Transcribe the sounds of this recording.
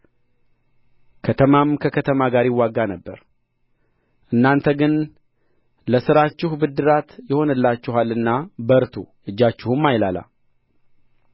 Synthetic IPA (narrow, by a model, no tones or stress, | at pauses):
kʰət̪ʰəmamkʰəkʰət̪ʰəmaɡaɾɪwːaɡanəbːə̰ɾ | ʔɨnːant̪ʰəɡɨn | ləsɨɾat͡ʃːɪhubɨd̪ːɨɾat̪jɛho̞nɨlːat͡ʃːɪɦalɨnːabəɾt̪ʰṵʔɨd͡ʒːat͡ʃːɪhumːajlala̰